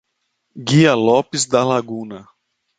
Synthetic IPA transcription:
ɡiɐlɔpɪzd̪ɐlaɡũnɐ

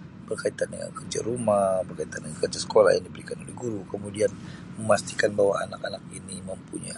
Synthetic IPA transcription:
b̥ərkait̪anə̰ŋa̰ŋkərd͡ʒa̰ɾumabərkait̪andəŋaŋkərd͡ʒasə̥kola̰hjaŋdibəɾikanolɛ̰ɡuɾukəmudianməmast̪i̥kanbaɦwaanakanak̚iniməmpuɲa̰

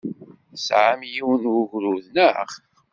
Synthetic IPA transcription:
sʕamjiwənʊʝɾuðnəχ

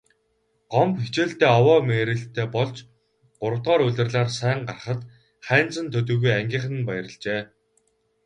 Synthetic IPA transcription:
ɢ̥ɔmpxit͡ɕeːɮt̪eːɔwɔːmeːɾɘ̆ɬt̪ʰːeːpɔɮt͡ɕ | ɢ̥ʊɾə̆wt̪ʁɔːɾɵɮʲɘ̆rɮaːrsæːɴɢarχə̆t̪ | χæːnt͡sə̆nt̪ʰɵt̪̬ɵ̆ːɣujæŋɡʲiːχə̆n̆npæjə̆ɾə̆ɮt͡ɕeː

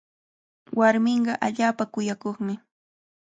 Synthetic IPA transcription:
waɾmɪɴɢɑʔaʎaːpakʊjakoχmɪ

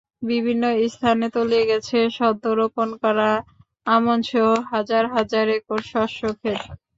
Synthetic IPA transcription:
bibʱinːoist̪ʰanet̪olieɡɛt͡ɕʰeʃɔd̪ːoɾoponkɔɾa | amonʃoɦad͡ʑaɾɦad͡ʑaɾekoɾʃɔʃokʰet̪

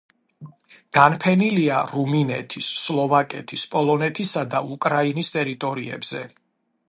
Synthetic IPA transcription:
ɡ̥anpʰɛniliaɾuminɛ̰t̪ʰisːlˠɔvakʼɛt̪ʰispʼɔlˠɔnɛt̪ʰisad̪aukʼɾainist̪ʼɛɾit̪ʼɔɾiɛ̰bz̥ɛ

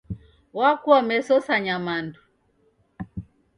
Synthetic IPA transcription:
wakuamɛsɔsaɲamandu

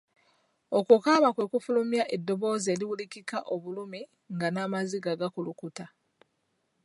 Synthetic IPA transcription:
o̞kukaːβakwe̞kufulumjaʔedːo̞βo̞ːze̞ːliwulikikaʔo̞βulumi | ŋɡanaːmaziɡaɡakulukuta

